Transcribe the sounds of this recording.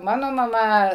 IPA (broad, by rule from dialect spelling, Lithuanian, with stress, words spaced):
ˈmɑːnoː mɐˈmɐ